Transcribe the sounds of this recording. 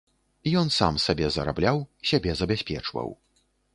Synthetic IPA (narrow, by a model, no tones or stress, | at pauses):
ijɔnsa̰msabʲɛzɐɾa̰blʲawsʲabʲɛzɐbʲasʲpʲɛt͡ʂvɐ̰w